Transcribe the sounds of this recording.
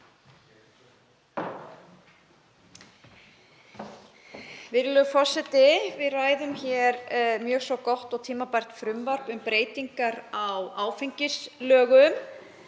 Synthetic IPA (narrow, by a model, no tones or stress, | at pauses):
vɪɾlʏfɔr̥sɛt̪ɪvɪðraːjðʏmçɛɾmjœːɣsvɔkɔwht̪ɔɣt̪ʰiːmapajr̥t̪fɾʏmvaɾ̥pʏmpɾeːjt̪iŋkaɾawaːwfejɲcɪslœːɣʏm